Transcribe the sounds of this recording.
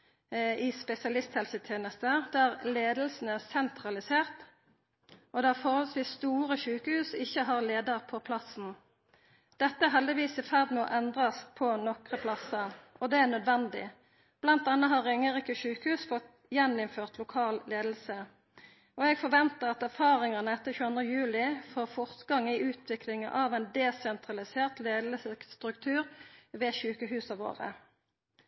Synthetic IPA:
ɪspɛsɪɑlɪst̪hɛlsət̪ʰjeːnəst̪əd̪æʁleːd̪lsn̩æʁsɛnt̪ʰʁɑlɪseːʁt̪ | ʔɔd̪ɛæfɔhɔlsʋiːsst̪uːʁəʃʉːkəhʉːsɪçːəɦɑʁleːd̪əʁpʰɔpʰlɑsn̩ | d̪̥ɛt̪ːəæɦɛld̪ɪʋiːsɪfæʁd̪mːʔɛnd̪ʁɑspʰɔnɔkʁəpʰlɑsɑɔd̪ɛæʁnœd̪ʋɛnd̪ɪ̰ | b̥lɑnt̪̚d̪ɛnːəɦɑʁʏŋːəʁiːkəʃʉːkəhʉːsfɔt̪ | jɛnɪmføːʁt̪ʰlʊkʰɑːlleːd̪l̩sə | ɔɛɡfɔʁʋɛnt̪əʁɑt̪æʁfɑːʁɪŋɑnəɛt̪ːəçʉːɑnd̪ʁəjʉːlɪfoːʁfɔʁt̪ɡɑŋːɪʔʉːt̪ʰʋɪklɪŋəʔɑʋɛɪnd̪ɛsɛnt̪ʁɑlɪseːʁt̪leːd̪lsəst̪ʁʉkt̪ʰʉːʁʋɛːʃʉːkəhʉːsɑʋo̰ːʁə̰

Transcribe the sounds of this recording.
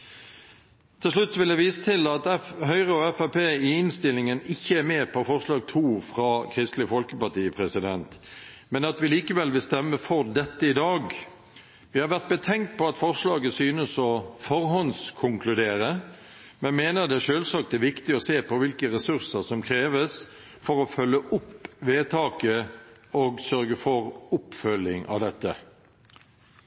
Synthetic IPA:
t̪ʰɪlʂlʉt̪ːsɔʋɪld̪æʋiːsət̪ʰɪlɑt̪ɦœʏʁəɔɛfæpʰeːɪɪnst̪ɪlːɪŋənɪçːəæɾmeːpʰɔfɔʁʂlɑːɡ̚t̪ʰuːfʁɑkʰʁɪst̪lɪfɔlkəpɑt̪iːəpʰʁɛsɪd̪ɛnt̪mɛnɑt̪ʋɪliːkəʋɛlʋɪlst̪ɛmːəfɔɾd̪ɛt̪ːəɪd̪ɑːɡ | ʋɪhɑɾʋæʁt̪̚bət̪ʰɛŋt̪̚pʰɔɑt̪fɔʁʂlɑːɡəsyːnəsɔfɔɾɦɔnskʰʊŋkʰlʉd̪eːɾə | mɛnmeːnəd̪ɛæʂøːlsɑːk̚t̪æʋɪkt̪ɪɔseːpɔʋɪlkəɾɛsʉʁsəsɔmkʰɾeːʋəs | fɔɾɔfœlːəʔʊpʋeːt̪ʰɑːkəɔɡsœɾɡəfɔʁʊpfœlːɪŋʔɑ̰ʋd̪ɛt̪ːə

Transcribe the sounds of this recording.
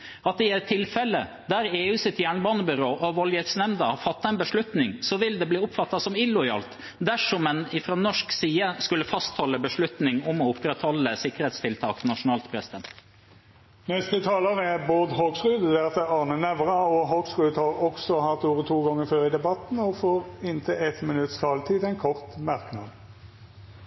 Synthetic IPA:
ɑt̪ɪɛt̪ʰːɪlfɛlːə | d̪æɾeːʉːsɪt̪jæːɳbɑːnəbʏɾoːʔɔʋɔljɛt̪snɛmd̪ɑfɑt̪ːɑɛnbəʂɭʉt̪nɪŋsɔʋɪld̪ɛbliːʊpfɑt̪ːɑsɔmɪlʊɪɑ̰ːlt̪ | d̪æʂɔmɛnɪfɾoːnɔʂksiːəskʉlːəfɑst̪hɔlːəbəʂɭʉt̪nɪŋɔmɔʊpːɾɛt̪hɔlːəsɪkːəɾheːt̪st̪ʰɪlt̪ʰɑ̰ːknɑʂʊnɑːlt̪pʰɾɛsɪd̪ɛnt̪ | nɛst̪ət̪ʰɑːləʁɛboːd̪ɦoːɡsʁʉːd̪d̪ɛt̪əɑʁnənɛʋʁɑɔɦoːɡsʁʉːd̪hɑʁɔksɔhɑt̪uːʁət̪ʰuːɡɔŋːəføːɾɪd̪ɛbɑt̪n̩ɔfoːʁɪnt̪ʰəʔɛt̪mɪnʉt̪st̪ʰɑːlt̪ʰiːd̪ɛɪnkʰɔʁt̪mæʁknɑ̰ːd̪

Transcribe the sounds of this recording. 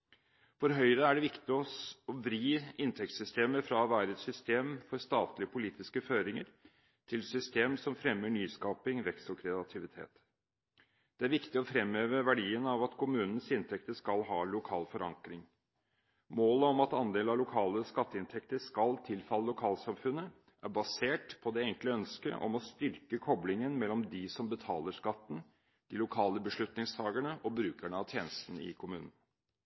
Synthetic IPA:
fɔɾɦœʏɾəæɖɛʋɪkt̪ɪɔsɔbɾiːɪnt̪ʰɛk̚t̪sʏst̪eːməfɾɑʋæːɾəɛt̪sʏst̪eːmfɔɾst̪ɑːt̪lɪəpʰʊliːt̪ɪskəføːɾɪŋəɾ | t̪ʰɪlsʏst̪eːmsɔmfɾɛmːəɳyːskɑːpɪŋɾɛksɔkʰɾɛɑt̪ʰɪʋɪt̪ʰḛːt̪ | d̪̥ɛæɾʋɪkt̪ɪɔfɾɛmeːʋəʋæɖiːənɑʋɑt̪kʰʊmʉːnən̩sɪnt̪ʰɛkt̪əʂkɑlɦɑːlʊkʰɑːlfɔɾɑ̰ŋkɾɪŋ | moːləɔmɑt̪ɑnd̪eːlɑlʊkʰɑːləskɑt̪ːəɪnt̪ʰɛkt̪əʂkɑlt̪ʰɪlfɑlːəlʊkʰɑːlsɑmfʉnːə | ʔæɾbɑseːʈpʰɔd̪ɛɛŋkləœnskə̰ʔɔ̰mɔst̪ʏɾkəkʰɔblɪŋənmɛlːɔmd̪ɪsɔmbət̪ʰɑ̰ːləʂkɑt̪ːn̩ | d̪̥ɪlʊkʰɑːləbəʂɭʉt̪nɪŋst̪ʰɑːɡəɳəʔɔbɾʉːkæɳəɑʋt̪ʰjeːnəst̪n̩ɪ̰kʰʊmʉːnən̩

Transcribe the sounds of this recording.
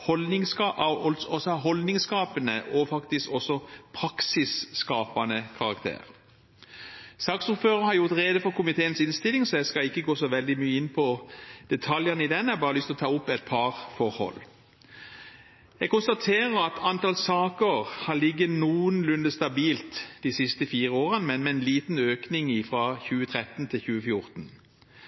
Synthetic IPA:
hɔld̪nɪŋsɑʔɔlsɔsɦɔld̪nɪŋskɑːpənəʔɔfɑkt̪ɪskɔsːɔpʰʁɑksɪsːkɑːpɑnəkʰɑʁɑkt̪ʰḛːʁ | sɑːksʊɾføːʁɑhɑɾjʊʁt̪ʁeːd̪əfɔʁkʰʊmɪt̪ʰeːənsɪnst̪ɪlɪŋsɔɛskɑɪkːəɡoːsɔʋɛld̪ɪmyːəɪnːpʰɔd̪̥ɛt̪ʰɑljəʁnəɪd̪ɛnɛbɑːʁəlʏst̪ɪlɔt̪ʰɑːʊpːɛɪt̪̚pʰɑʁfɔʁhɔ̰lː | ɛɡ̚kʊnst̪ɑt̪ʰeːʁəɾɑt̪ɑnt̪ʰɑːlsɑːkəʁhɑlɪɡːənuːənlʉnd̪əst̪ɑbiːlt̪d̪̥iːsɪst̪əfiːʁəoːʁənmɛnmɛɛnliːt̪n̩øːknɪŋɪfʁɑçʉːət̪ʰʁɛt̪n̩t̪ʰɪlçʉːəfjʊʁt̪n̩

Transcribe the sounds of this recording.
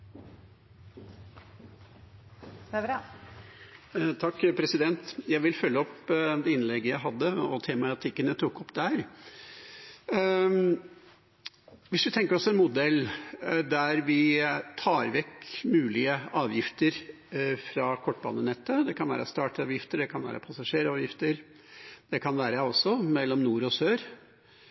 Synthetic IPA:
t̪ʰɑkːpʰɾɛsɪd̪ɛnt̪jæɪʋɪlfœlːəɔpd̪ɛɪnlɛɡːəjæɪɦɑd̪ːəɔt̪ʰeːmɑt̪ʰɪkːənjæt̪ʰuːkɔpd̪æɾ | ʋɪsʋɪt̪ʰɛŋkəɾɔsɔɛnmʊd̪ɛlːd̪æɾʋɪt̪ʰɑːɾʋɛkmʉːlɪəɑːʋjɪft̪əɾ | fɾɑkʰɔʈ̚ːbɑ̰ːnənɛt̪ːəd̪ɛkʰɑnʋæ̰ːɾə̰st̪ɑːʈɑːʋjɪft̪əɖɛkʰɑnʋæ̰ːɾə̰pʰɑsɑʂeːɾɑːʋjɪft̪əɾ | d̪̥ɛkʰɑnʋæːɾəɔsːɔmɛlːɔmnuːɾɔsøːɾ

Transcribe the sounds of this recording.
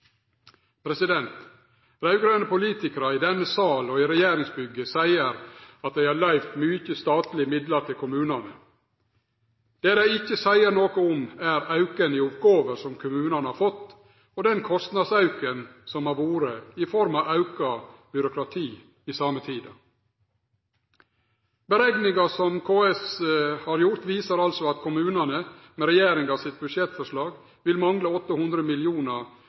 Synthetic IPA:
pʰɾɛsɪd̪ɛnt̪ | ɾɑʉɡɾønəpʊliːt̪ɪkəɾɑɪd̪ɛnːəsɑːlɔɪɾɛjeːɾɪŋsbʏɡəsæɪəɾɑt̪̚d̪æɪhɑɾlæɪʋt̪myːçəst̪ɑːt̪lɪmɪd̪ləɾt̪ʰɪlkʰʊmʉːnɑnə | d̪̥eːd̪æɪɪçːəsæɪəɾɳoːkɔʊmæɾɑʉkənɪʊpɡoːʋəɾsɔmkʰʊmʉːnɑnəhɑːɾfɔt̪ː | ɔd̪ɛnkʰɔst̪nɑd̪sɑʉkənsɔmɑɾʋuːɾəɪfɔɾmɑːʋɑʉkɑb̥ʏɾʊkɾɑt̪ʰiː | ɪsɑːmət̪ʰiːd̪ɑ̰ | bəɾɛɡnɪŋɑsɔmkʰoːɛshɑɾjʊɾt̪ʋiːsəɾɑlsɔɑt̪kʰʊmʉːnɑnə | mɛɾɛjeːɾɪŋɑːʋsɪt̪̚bʉdʂɛt̪fɔʂlɑːɡ | ʋɪlmɑŋləɔt̪ːəhʉnd̪ɾəmɪlɪuːnə

